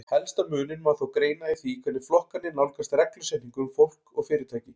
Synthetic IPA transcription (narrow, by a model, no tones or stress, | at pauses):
hɛlst̪amʏːnɪnmaθowkɾeːjnaiθikʰɛnːɪ̥flɔhkanːɪnawlkast̪rɛklʏsɛht̪niŋkʏmfowl̥kɔɣfɪːɾɪɾt̪ʰaːjcɪ